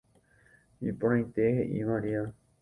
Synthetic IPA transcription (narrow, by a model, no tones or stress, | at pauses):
ipõãj̃t̪eheʔḭʋaɾia